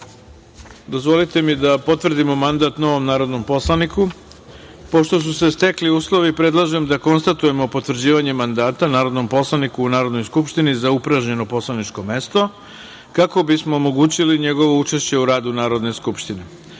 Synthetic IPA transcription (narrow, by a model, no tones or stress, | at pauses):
d̪o̞zʋo̞lit̪e̞mid̪apo̞t̪ʋr̩d̪imo̞mand̪at̪no̞ʋo̞mnaːɾo̞d̪no̞mpo̞slˠaniku | po̞ʃt̪o̞s̬use̞st̪e̞kliuːslˠo̞ʋipɾe̞d̪lˠaʒemd̪ako̞nst̪at̪uje̞mo̞po̞t̪vr̩d͡ʑiːʋaɲe̞mand̪aːt̪anaːɾo̞d̪no̞mpo̞slˠanikuːnaːɾod̪nojskupʃt̪inizaupɾaʒɲe̞no̞po̞slˠanit͡ʂko̞me̞st̪o̞ | kako̞bismoːmo̞ɡuːt͡ɕiliɲe̞ɡo̞ʋout͡ʂeʃt͡ɕe̞uɾaːd̪unaːɾo̞d̪ne̞skupʃt̪ine